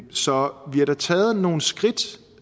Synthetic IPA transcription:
sɒ̽ʋiɐɾ̥ɑt͡sʰɛːð̞̩ˠno̝ːn̩sɡ̥ʁid̥

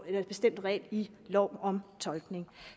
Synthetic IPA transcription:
e̥b̥e̝sd̥em̰d̥ʁɛ̰ːli | lɒʊ̰ɒ̽mt͡sʰɒ̽lɡ̥ne̝ŋ

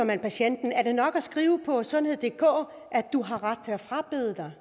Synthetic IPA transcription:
ɒmænpʰæɕen̰d̥n̩æɐd̥e̝nɒ̽ɡ̥æsɡ̥ʁiːʊəpʰɒ̽sɒ̽dnhe̝ð̞̰ˠd̥e̝ːkʰɔ̰ː | ʔæd̥uɦɑ̈ʁɑ̈d̥̚t͡sʰe̝læfʁɑ̈b̥eðˠəd̥ɑ̈ɪ

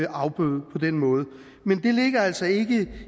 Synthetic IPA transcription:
ɑ̈ʊb̥øð̩ˠpʰɒ̽d̥enmɔ̽ːð̞ˠə | mend̥e̝le̝ɡ̥ɐæl̰sɒ̽e̝ɡ̥ə

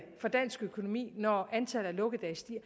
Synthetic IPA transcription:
fɒ̽d̥æn̰sɡ̥økʰo̝no̝mḭːnɒænt͡sʰæl̩ˠælɔ̽ɡ̥əd̥ɛɪsd̥iɐ̰

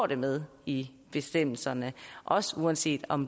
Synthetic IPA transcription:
ɾ̥e̝með̞ˠ | i | b̥e̝sd̥em̰l̩sɐnəʔɒ̽səuænse̝̰ːd̥ɒ̽m

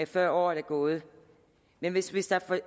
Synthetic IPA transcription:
efɶɐ̰ɒ̰ːæɐɾæɡ̥ɔ̽ːð̞ˠə | menʋe̝sʋisd̥æfɒ

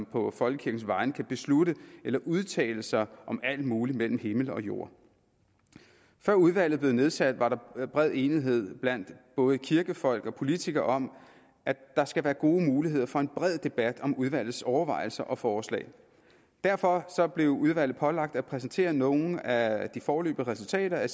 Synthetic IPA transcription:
mpʰɒ̽fɒ̽lɡ̥əkʰiɐɡ̥n̩sʋɑ̈ɪnəkʰæb̥e̝sluɾəelɐʔuð̞ˠt͡sʰɛ̰ːləsɑ̈ɪʔɒ̽mæl̰d̥muːlimel̰m̩he̝ml̩ɒ̽jo̝ɐ̰ | fɶɐ̰uð̞ˠʋæl̰ð̩ˠble̝ðˠne̝ð̞ˠsæd̥ʋɑ̈ɾɑ̈b̥ʁɛð̰ˠe̝ːniɦe̝ð̰ˠb̥læn̰d̥b̥ɔ̽ːð̞̩ˠəkʰiɐɡ̥əfɒ̽l̰ɡ̥ɒ̽pʰo̝lit͡sʰiɡ̥ɐʔɒ̽m | ʔæd̥ɑ̈sɡ̥æʋæːɐɡ̥o̝ːmuːliɦe̝ð̞̰ˠɐfɒ̽e̝nb̥ʁɛð̞̰ˠd̥e̝b̥æd̥ɒ̽muð̞ˠʋæl̰ð̞̩ˠsɒʊɐʋɑ̈ɪ̰l̩sɐʔɒ̽fɒːslɛ̰ː | d̥æɐfɒ̽sɒ̽b̥le̝ʊuð̞ˠʋæl̰ð̩ˠpʰɒ̽lɑ̈ɡ̥̚d̥æpʰʁɛsn̩t͡sʰe̝̰ːɐno̝ːn̩æd̥ifɒːlø̰ːb̥ð̩əʁɛsult͡sʰɛ̰ːɾ̥ɐæ

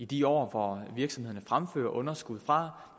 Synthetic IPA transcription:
id̥iɒ̰ːfɒʋiɐɡ̥sɒ̽mhe̝ðˠɐnəfʁamfø̰ːɐʔɔ̽nɐsɡ̥uð̞̰ˠfʁɑ̈

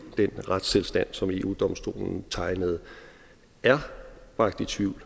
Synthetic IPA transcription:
d̥enʁad̥st͡sʰe̝lsd̥æn̰sɒ̽me̝ːʔṵːd̥ɒ̽msd̥o̝̰ːln̩t͡sʰɑ̈ɪnəð̞̩ˠ | æɐb̥ʁɑ̈ɡ̥d̥it͡sʰʋiʊ̰l

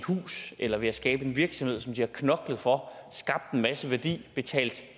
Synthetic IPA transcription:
hṵːselɐʋe̝æsɡ̥ɛ̰ːb̥əe̝nʋiɐɡ̥sɒ̽mhe̝̰sɒ̽md̥iæɐkʰnɒ̽ɡ̥lð̩ˠfɒ̽sɡ̥ɑ̈b̥̚d̥enmæsəʋæɐd̥ḭːb̥e̝t͡sʰɛ̰ːld̥

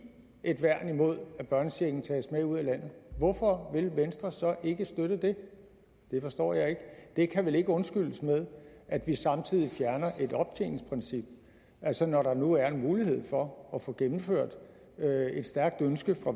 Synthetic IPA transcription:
ʔe̝d̥ʋæɐ̰nimo̝ð̞̰ˠæb̥ɶɐnəseɡ̥n̩t͡sʰɛ̰ːsmeuð̰ˠælæn̰ð̞̩ˠʋɒfɒ̽ʋe̝lʋensd̥ʁɐsɒ̽ʔe̝ɡ̥əsd̥øɾ̥əd̥e̝ | d̥e̝fɒ̽sd̥ɒ̰ːjɑ̈ɪe̝ɡ̥əd̥e̝kʰæʋele̝ɡ̥əɔ̽nsɡ̥yl̰əsmeð̞ˠʔæd̥ʋisɑ̈mt͡sʰið̰ˠifjæɐnɐʔe̝d̥ɒ̽b̥t͡sʰe̝̰ːnspʰʁɛnsib̥̚ | ʔælsənɒɾ̥ɑ̈nuæɐe̝nmuːlihe̝ð̰ˠfɒ̽ːfɔ̽ɡ̥emm̩føɐ̰d̥ | øe̝d̥sd̥æɐɡ̥̚d̥ønsɡ̥əfʁɑ̈

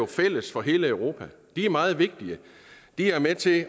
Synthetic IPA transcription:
o̝fel̰əsfɒ̽ɦe̝ːləœʊʁo̝ːpʰæ | d̥iæɐmɑ̈ːð̞̩ˠʋe̝ɡ̥̚d̥iə | d̥iæɐmet͡sʰe̝

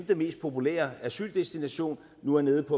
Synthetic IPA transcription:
md̥əme̝̰ːsd̥̚pʰo̝pulḛːɐæɐsyld̥esd̥inæɕo̝̰ːnːuæɐne̝ːð̩ˠpʰɒ̽

